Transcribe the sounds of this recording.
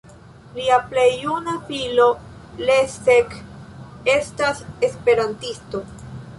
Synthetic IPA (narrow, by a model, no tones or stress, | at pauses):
liaple̞junafilo̞ | lesek | e̞stasespe̞ɾantisto̞